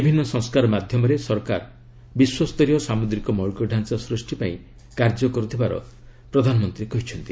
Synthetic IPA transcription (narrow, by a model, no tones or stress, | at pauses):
bibʱinːɔsɔ̃ŋskaɾɔmad̪ʱjɔmɔɾesɔɾka̰ɾ | biswɔst̪ɔɾijɔsamud̪ɾikɔmɔɭkɔɖʱansasɾusʈipaĩ | kaɾd͡ʒɔkɔɾut̪ʰibaɾɔ̰ | pɾɔd̪ʱanɔmɔnt̪ɾiekɔɦit͡ʃʰɔnt̪i